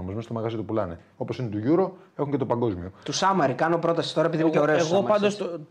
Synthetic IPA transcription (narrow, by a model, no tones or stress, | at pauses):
omozmest̪omɐɣɐzit̪upulɐne | o̞po̞sinet̪uʝuɾo̞ | e̞xuɲcet̪opɐŋɡo̞zmio̞t̪usɐmɐɾikɐno̞pɾo̞t̪ɐsi̥t̪o̞ɾɐepiðineceo̞ɾeoeɣomɐpɐnd̪os